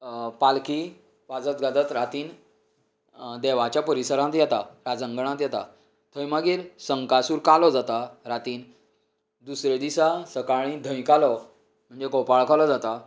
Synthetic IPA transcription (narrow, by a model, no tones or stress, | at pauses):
palki | ʋad͡zət̪ɡad̪ət̪ɾat̪iːn | d̪ɛʋat͡ɕjapəɾisəɾãt̪jɛt̪aɾad͡zəŋɡəɳ̃ãt̪jɛt̪a̰ | t̪ʰəjmaɡiːɾsəŋkasuːɾkalɔd͡zat̪aɾat̪iːn | d̪usɾed̪isasəkaɭ̃ĩd̪ʱə̃j̃kalɔ | m̤əɳd͡zekɔpaɭkalɔd͡zat̪a